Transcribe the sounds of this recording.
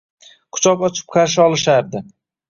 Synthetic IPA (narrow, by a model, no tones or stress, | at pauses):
kʰʊ̥t͡ʃʰɒpɒt͡ʃʰɪ̥p̚qʰaɾʃ̬ɪɒlˠɪʃaɾd̪ɪ